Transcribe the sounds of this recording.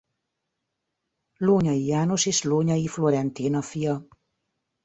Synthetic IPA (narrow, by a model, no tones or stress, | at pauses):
loːɲɒjijaːnoseːʃloːɲɒifloɾɛnt̪iːnɒfijɒ